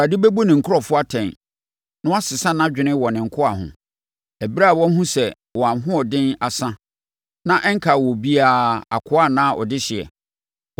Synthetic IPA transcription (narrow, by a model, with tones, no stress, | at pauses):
ɾa˨di˦be˦bo˦nɪ̃˨ŋ̩˨kʰʊ˦ɾɔ˨fʊ˦a˦tʰɛ̃˨n | nʊ̃˦a˦sɪ˨sã˦nã˦d͡ʑᶣɪ˨nɪ̃˦wɔ˨nɪ̃˨ŋ̩˨kʰʊ˦a˨ɦʊ̰̃˨ | æ˨bi˦ɾa˦˨wɔ̃˦n˦ɦũ˦sɛ˨ | wɔ˨a˨ɦʊ̃˦ɔ˨dɪ̃˦na˨sã˦ | nã˦ʔɛ˦ŋ˦kʰa˨wɔ˨bi˦aː˦˨a̰˨kʰʊ˦a˦˨nãː˦ʔɔ̰˨dɪ˦ɕɪ˨ɛ̰˨